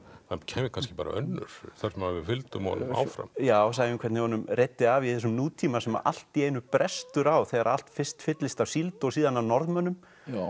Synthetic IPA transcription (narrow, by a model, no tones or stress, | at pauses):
hancʰɛːmɪkʰanscɪ̥paːɾa̰œnːʏ̰ɾ̥θaɾ̥rsɛmavɪfɪlt̪ʏmɔ̰nʏ̰ma̰ːwfɾa̰mjaːɔs̬aːjɪmkʰɛɾt̪nɪɔnʏmret̪ːɪaviðs̬ʏmnuːt̪ʰiːmasɛma̰ʔa̰l̥t̪ieːjnʏpɾɛst̪ʏɾawθɛɣaɾal̥t̪fɪr̥st̪fɪt̪lɪst̪awsilt̪ɔɣsiːðanawnɔɾðmœnːʏm